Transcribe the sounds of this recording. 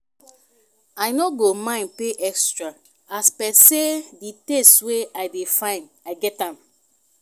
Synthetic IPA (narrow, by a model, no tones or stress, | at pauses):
aɪnoɡomãɪ̃npeʔɛkstɹa | aspɛseditestweaɪdefãɪ̃nd | aɪɡɛtãm